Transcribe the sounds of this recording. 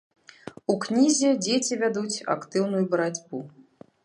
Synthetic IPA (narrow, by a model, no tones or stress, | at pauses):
uknʲizʲɛd͡zʲet͡sʲivʲad̪ut͡sʲa̰kt̪ɨwnujubɐɾad͡zʲbu